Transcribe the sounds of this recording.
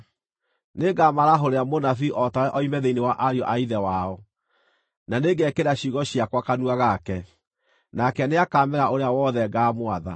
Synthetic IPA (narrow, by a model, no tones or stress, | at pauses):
neɡamaɾaɦoɾeamonafiʔɔtaɾɛʔɔimɛðeinewaʔaɾiɔʔaiðɛwaɔ | naneɡɛkeɾaɕiɣɔɕiakwakanuaɣakɛ | nakɛneakaːmɛɾaʔoɾeawɔðɛɡaːmwaða̰